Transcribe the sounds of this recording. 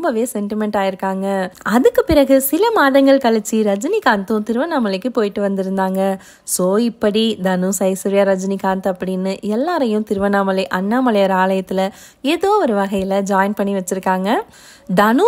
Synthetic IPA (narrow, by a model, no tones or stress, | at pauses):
mbɐʋeːsɛɳʈɪmɛɳʈaːjɪɾɯkːaːŋɡɐɐðɯkːɯpɪɾɐɣɯsɪlɐmaːðɐŋɡɐɭkɐɭɯt͡ʃːiɾɐd͡ʒɪnikaːnt̪ʊ̃t̪ɪɾɯʋɐnaːmɐlɐɪkːɯpoːjɪʈːɯʋɐnd̪ɪɾɯnd̪aːŋɡɐ | soːɪpːɐɽid̪ɐnusɐɪsɐɾɪjaːɾɐd͡ʒnikaːnt̪ɐpːɐɽɪnːɯʔɛlːaːɾɐjʊ̃t̪ɪɾɯʋɐnaːmɐlɐɪʔɐnːaːmɐlɐjɐɾaːlɐjɐt̪ːɪlɐ | eːðoːʋɔɾɯʋɐɣɐjɪlɐd͡ʒaːjɪnpɐɳːiʋɐt͡ʃːɪɾɯkːaːŋɡɐ | d̪ɐnu